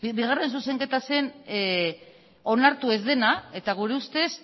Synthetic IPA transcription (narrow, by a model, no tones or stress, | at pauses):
biɣ̞are̞ns̬use̞ŋke̞t̪ase̞n | o̞naɾt̪ue̞zd̪e̞nae̞t̪aɣuɾe̞ust̪e̞s